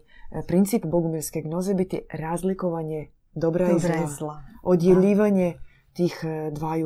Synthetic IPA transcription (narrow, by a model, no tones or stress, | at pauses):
pɾint̪sipboɡumiɾskeɡno̞ze̞bit̪ḭɾaːzlikoʋaɲe | d̪obɾaizaaod̪jeʎiːʋaɲe | t̪iːxd̪ʋaːju